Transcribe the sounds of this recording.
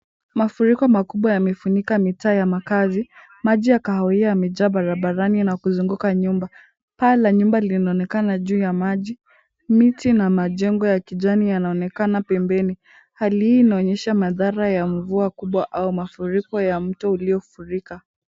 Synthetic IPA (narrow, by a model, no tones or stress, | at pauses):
mafuɾikɔmakuɓwajamɛfuɲikamitaːjamakazi | maʄijakahɔiamɛʄaɓaɾaɓaɾaninakuzuŋɡukaɲumba | palaɲumbalinaɔnɛkanaʄuːjamaʄi | mitinamaʄɛŋɡɔjakiʄanijanaɔnɛkanapɛmbɛni | halihiːnaɔɲɛʃamaðaɾajaɱvuakuɓwaʔaumafuɾikɔjam̩tɔuliɔfuɾika